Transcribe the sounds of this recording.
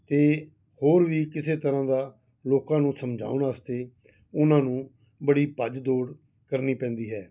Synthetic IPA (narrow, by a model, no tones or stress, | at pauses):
t̪eː | hoːɾʋiːkɪseːt̪əɾãːd̪aː | loːkãːnũːsəmd͡ʒʱa̰ːʊnaːst̪eː | ʊnãːnũː | bəɽiːpəd͡ʒd̪oːɽ | kəɾniːpɛ̃ːnd̪iːɦɛː